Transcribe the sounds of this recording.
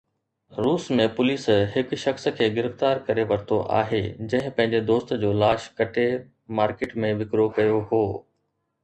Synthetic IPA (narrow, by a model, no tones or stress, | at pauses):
ɾuːsmẽpʊliːsɦɪkʃɐxskʰeːɡɪɾɪft̪aːɾkɐɾeʋɐɾt̪ʰoʔa̰ːɦed͡ʑɐ̃ɦɪ̃pɐ̃ɦɪ̃ɲd͡ʑed̪oːst̪d͡ʑoːlaːʃkɐʈʰe | maːɾkeːʈmẽʋɪkɾokɐjoɦoː